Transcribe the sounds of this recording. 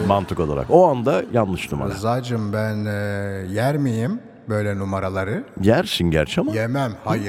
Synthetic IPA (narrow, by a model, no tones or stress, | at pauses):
mant̪ʰɯko̞lˠa̰ɾa̰ko̞and̪ajanlˠɯʃnuma̰zad͡ʒɯmbænjæɾmijim | bø̞jlʲɛnumaɾalˠaɾɯɟæɾʃinɟæ̰ɾʃamaemæmhajɯɾ